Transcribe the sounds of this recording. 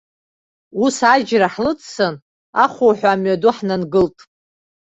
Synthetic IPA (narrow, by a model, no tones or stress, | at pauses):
usad͡ʒraħlɨt͡sʰsɨn | aχʷowħʷᶣaːmɥaduħnanɡɨltʼ